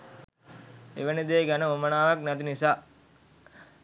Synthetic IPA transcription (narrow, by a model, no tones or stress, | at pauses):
eʋənid̪eːɡænəomənaːʋak̚næt̪inisaː